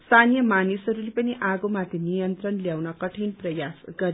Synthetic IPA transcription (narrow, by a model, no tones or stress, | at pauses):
st̪ʰanijʌmanisɦʌɾulepʌniʔaɡomat̪ʰenijʌnt̪rʌnljawnʌkʌʈʰinprʌjasɡʌɾ